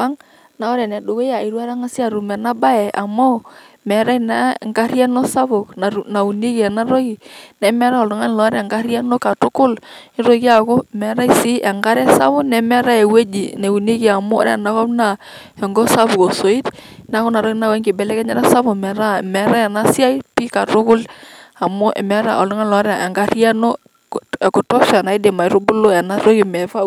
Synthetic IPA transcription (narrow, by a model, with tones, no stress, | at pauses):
a˦ŋ | na˨˦ɔ˦ɾɛ˨nɛ˨ɗo˨ɣo˦a˨i˨ɾwa˦ɾa˦ŋa˦si˦a˨ɾu˨mɛ˨na˦ba˦ɛ˨ʔa˨mo˦ | mɛ˨ɾa˦i˨na˦˨ŋɡa˦ɾja˦no˦sa˦βʊ˨kna˨na˨u˨ni˦ki˨ɛ˨na˦ɾo˦ki˨nɛ˨mɛ˦ɾa˦ɔ˨ldʊ˨ŋa˦n˨lɔ˨˦ɾɛ˨ŋɡa˦ɾja˦no˦ka˨tʊ˦kʊ˦lɪ˦ɾo˦ki˦a˨ko˦mɛ˨ɾa˦i˨˦si˦ʔɛ˨ŋɡa˦ɾɛ˦sa̰˦βʊ˦nɛ˨mɛ˦ɾa˦e˨we˦d͡ʒi˨ne˨u˨ni˦ki˨a˨mo̰˦ɾɛ̰˨na˨˦kɔ˦pna˨ | ɛ˨ŋɡɔ˦sa˦βko˨so˨i˦t | na˦ko˦na˨ɾo˦ki˦na˦˨wɛ˦ŋɡɪ˨bɛ˨lɛ˦kɛ˦ɲa˦ɾa˦sa˦βo˨mɛ˨ɾa˦˨mɛ˨ɾa˦ɛ˨na˦sja˦i˦pi˦ka˨ɾʊ˦kʊ˦la˨mo˦ʔɛ̰˨mɛ˦ɾa̰˨o̰˨lʊ˦ŋa˦n˨lɔ˨˦ɾa˨e˨ŋɡa˦ri˦a˦no˦ | e˨kʊ˨tɔ˦ʃa˨na˨i˦de˨ma˨i˨˦ɾo˦bʊ˦lo˦ɛ˨na˦ɾo˦ki˨mɛ˨va˦